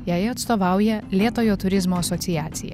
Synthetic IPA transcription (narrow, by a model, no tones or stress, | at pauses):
jæːjɐt̪st̪oːʋɑˑʊjɛlʲeːt̪oːjoːt̪ʊɾʲɪzmoːɐsɔt̪sʲɪjæːt̪sʲɪjɛ̰